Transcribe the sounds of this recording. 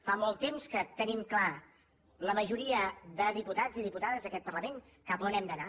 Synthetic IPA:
famɔlˠt̪ːemskət̪ənimkla | ləməʒuɾiəðəðiput̪ad͡ziðiput̪aðəzðəkɛt̪̚pərləmen | kəplənɛmd̪əna

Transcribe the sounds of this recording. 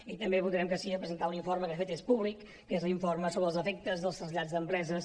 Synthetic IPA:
it̪əmbeβuðɾɛmkəsiəpɾəzənt̪auniɱforməkəfet̪espuβlikːezliɱforməsoβəlˠzəfek̚t̪əzðəlˠst̪ɾəzʎad͡zðəmpɾɛzəs

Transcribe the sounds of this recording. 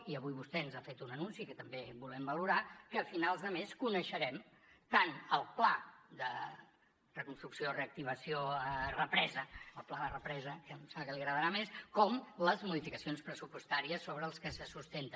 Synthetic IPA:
iəβujβust̪ɛənzafet̪unənunsikət̪əmbebulɛmbəluɾakəfinalˠzðəmeskunəʃəɾɛm | t̪anəlˠplad̪ə | rəkunst̪ɾuksioreək̚t̪iβ̞əsioərəpɾɛzəəlˠplaðərəpɾɛzəkəmsəɣəliɣɾəðəɾameskɔmləzmuðifikəsionspɾəsupust̪aɾiəsːoβɾəːlˠskəsəsust̪ent̪ən

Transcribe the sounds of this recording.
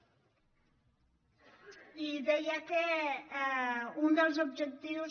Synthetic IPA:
iðɛjake | und̪əlˠzubʒək̚t̪iwz

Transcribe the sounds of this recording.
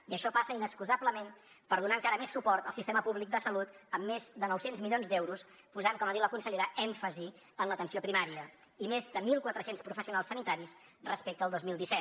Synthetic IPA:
iəʃɔpasəinəskuzabləmem | pəɾðunaəŋkaɾəmesːupɔɾt̪əlˠsist̪ɛməpuβlik̚d̪əsəlut̪əmːezðənɔwsenzmilionzd̪ɛwɾus | puzaŋkɔmaðiwləkunsəʎeɾəɛɱfəzi | ənlət̪ənsiopɾimaɾiə | imezðəmilˠkwət̪ɾəsenspɾufəsiunalˠsːənit̪aɾis | rəspek̚t̪əːlˠd̪ozmilˠd̪isɛt̪

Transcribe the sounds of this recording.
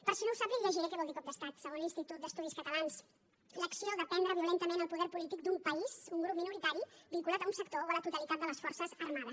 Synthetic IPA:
pəɾsinouwsapiləʒiɾekɛβɔlˠd̪ikɔp̚d̪əst̪at̪səɣonlinst̪it̪ut̪̚d̪əst̪uðiskət̪əlans | ləksioðapɛnd̪ɾəβiulent̪əmenəlˠpuðɛɾpulit̪ik̚d̪umpəizuŋɡɾupminuɾit̪aɾibiŋkulat̪əunsəkt̪oβələt̪ut̪əlit̪at̪̚d̪ələsfɔrsəzərmaðəs

